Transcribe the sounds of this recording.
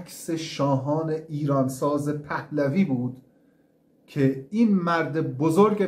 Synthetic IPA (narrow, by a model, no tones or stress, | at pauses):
kʰʲseʃɒːɦɒːne̞ʔiːɾɒːnsɒːze̞pʰæhlæviːbuːd̪ | cʰeiːnmæɾd̪ebozoɾɡe